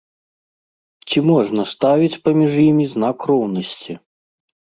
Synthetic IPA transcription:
t͡sʲimɔʐnɐst̪avʲit͡sʲpɐmʲiʐjimʲiznakrɔwnɐsʲt͡sʲi

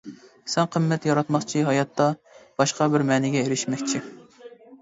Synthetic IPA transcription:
sɛnqʰəmːɛt̪jɑɾɑt̪mɑχt͡ʃʰiɦɑjɑt̪ːɑb̥ɑʃqɑbɪɾmɛːnɪɡʲɛeɾɪʃmɛkʲt͡ʃʰi

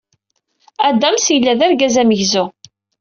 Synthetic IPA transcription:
æd̪æmsjəlːæðæɾɡæzæməʝzu

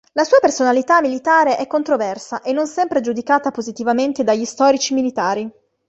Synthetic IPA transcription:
lasuːapersonalit̪amːilit̪aːɾeʔɛkːont̪ɾovɛrsaʔenːonsɛmpɾed͡ʒud̪ikaːt̪apozit̪ivament̪ed̪aʎːist̪ɔːɾit͡ʃimilit̪aːɾi

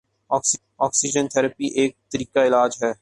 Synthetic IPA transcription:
ɔːks | ɔːksɪd͡ʒənt̪ʰɛːɾəpiʔeːk̚t̪əɾiːkaɪlaːd͡ʒɦɛː

